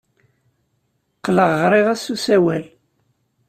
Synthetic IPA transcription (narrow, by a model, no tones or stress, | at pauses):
qːləʁːɾˤiʁæsusæwæl